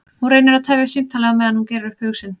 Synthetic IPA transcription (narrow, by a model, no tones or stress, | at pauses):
hunɾejnɪɾaðt̪ʰɛvjɪsimt̪ʰalɛɣamɛːðanhuncɛːɾɪɾʏhphʏɣsɪn